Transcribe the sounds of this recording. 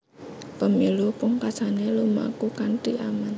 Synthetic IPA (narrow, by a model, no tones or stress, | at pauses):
pəmilupʊŋkḁsaneluma̰kukant̪iʔaman